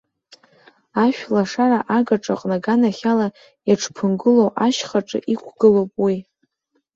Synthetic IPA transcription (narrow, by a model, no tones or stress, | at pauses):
aʃᶣlaʂaraʔaɡaʈ͡ʂʼa̰qʼnaɡanaχʲala | jaʈ͡ʂʰpʰɨnɡɨlowʔaʃχaʈ͡ʂʼɨ̰ʔikʷʰɡɨlowpʼwi